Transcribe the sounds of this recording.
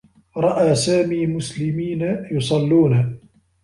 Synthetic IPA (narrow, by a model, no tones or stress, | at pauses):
ɾˤɑʔaːsaːmiːmʊslɪmiːnajʊsˤɑlːuːna